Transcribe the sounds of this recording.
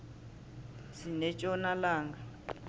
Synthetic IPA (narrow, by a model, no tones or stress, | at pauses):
sinɛt͡ʃʼɔnalaːŋɡa